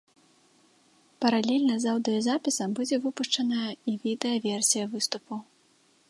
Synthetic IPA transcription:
pɐɾalʲɛlʲnɐzawd̪ɨjɐzapʲisɐmbud͡zʲɛvɨpuʂt͡ʂɐnɐjɐivʲid̪ɛjɐvʲɛrsʲijɐvɨst̪upu

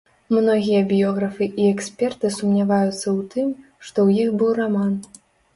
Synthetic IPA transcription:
mnɔɣʲijɐbʲjɔɣɾɐfɨʔiɛksʲpʲɛrt̪ɨsumnʲavajut̪sːɐwt̪ɨm | ʂt̪ɔwjixbɨwraman

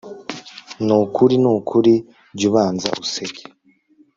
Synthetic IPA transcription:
nukʰuɾinukʰuɾi | ɾɟuβaːnza̰ʔuseɡe̥

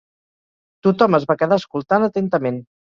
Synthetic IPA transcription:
t̪ut̪ɔməzβakəðaəskulˠt̪anət̪ent̪əmen

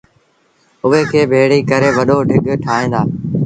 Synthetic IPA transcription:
ʊɦeːkʰeːbʱeːɽiːkəɾeːʋəɗoːɖʱɪɠʈʰaːɦẽːnd̪aː

